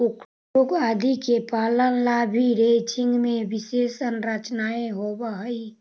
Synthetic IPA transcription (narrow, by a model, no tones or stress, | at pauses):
uk | ukad̪ʱikepaːlənlabʱiɾet͡ʃʰɪ̃ŋɡmẽʋɪsesənɾət͡ʃnaeɦobaɦəi